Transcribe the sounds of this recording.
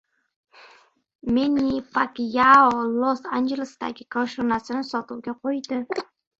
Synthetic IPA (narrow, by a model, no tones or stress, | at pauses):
menifakjaolosand͡ʒelɪsd̪̥a̰ɡʲɪkʰɒʃonasɪnɪsɒt̪uwɡʲaqʰojd̪ɪ